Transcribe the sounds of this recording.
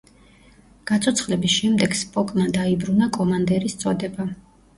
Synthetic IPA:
ɡ̥at̪sʰʼɔt̪sʰχlɛbisʃɛmd̪ɛɡ̥spʼɔkʼmad̪aibɾunakʼɔmand̪ɛɾist̪sʼɔd̪ɛba

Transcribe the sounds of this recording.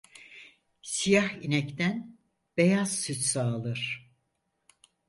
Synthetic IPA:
sijahinɛct̪æn | b̥ejaz̥syt͡ʃsaːlˠɯɾ̥

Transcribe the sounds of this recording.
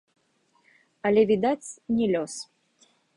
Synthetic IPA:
ɐlʲɛvʲid̪at͡sʲnʲɛlʲɔs

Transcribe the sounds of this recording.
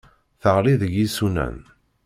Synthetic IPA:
θəʁliðəʝisunæ̰n

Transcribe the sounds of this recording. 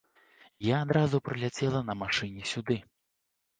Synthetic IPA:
jaːd̪ɾazupɾɨlʲat͡sʲɛlˠɐnɐmaʂɨnʲɛsʲud̪ɨ

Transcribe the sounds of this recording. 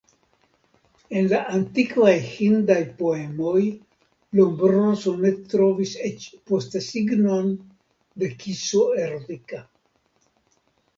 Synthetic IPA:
e̞nlaʔant̪ikvajhind̪ajpoemo̞j | lombɾonsone̞t̪ɾo̞viset͡ʃpost̪esiɡno̞n | d̪e̞kisoeɾot̪ika

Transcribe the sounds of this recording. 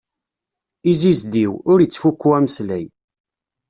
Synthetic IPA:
izizd̪iwʊɾət͡sːfukːuæməslæj

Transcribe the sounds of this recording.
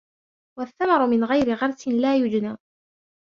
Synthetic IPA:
waθːamɑɾˤʊmɪnɣajɾɪɣɑɾˤt̪ɪnlaːjʊd͡ʒnaː

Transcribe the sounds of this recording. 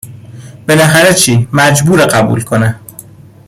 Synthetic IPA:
b̥e̞næxæɾet͡ʃʰiːmæd͡ʒbuːɾeɢæbṵːlkʰone

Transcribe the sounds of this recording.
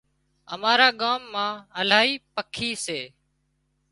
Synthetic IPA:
əmaːɾaːɠaːmːãːəlaːiːpəkʰiːseː

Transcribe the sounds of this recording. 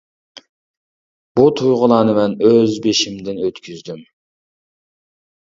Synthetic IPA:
b̥ut̪ʰujʁʊlˠɑːnɨmɛnøzbeʃimd̪ɪnøt̪kʲʰyzd̪ym

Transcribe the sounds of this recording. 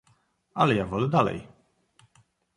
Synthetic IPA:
alɛjavɔlɛd̪alɛ̰j

